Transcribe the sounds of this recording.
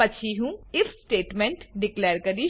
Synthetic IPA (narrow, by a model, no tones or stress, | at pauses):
ɐʃʰiɦũːɪfʰsʈeːʈmɛ̃ɳʈɖɪklɛːɾkɐɾi